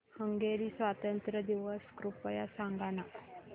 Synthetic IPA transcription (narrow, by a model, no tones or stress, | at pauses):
həŋɡeɾiːsʋat̪ənt̪ɾəd̪iʋəskɾupəjasaŋɡana